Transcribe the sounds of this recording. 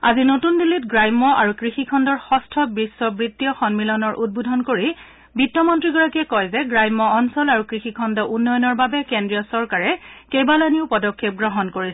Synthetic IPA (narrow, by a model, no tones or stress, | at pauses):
azinotundilːitɡɹajmːɔʔaɹukɹixikʰɔndɔɹxɔstʰɔbɹisːɔbɹitːijɔxɔnmilɔnɔɹʔut̚budʱɔnkoɹi | bitːɔmɔntɹiɡɔɹakiɛkɔjzɛɡɹajmːɔɔnsɔlaɹukɹixikʰɔndɔʔunːɔjɔnɔɹbabɛkendɹijɔsɔɹkaɹɛkejbalaniʊpɔdɔkʰːep̚ɡɹɔɦɔnkoɹisɛ